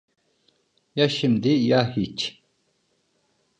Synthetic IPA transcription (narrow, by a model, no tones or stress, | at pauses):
jaʃimd̪ijahit͡ʃ